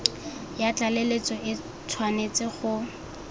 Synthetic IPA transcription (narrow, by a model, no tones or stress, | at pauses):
jat͡ɬalelet͡sɔʔɪ | tʰwanet͡sʼɪχʊ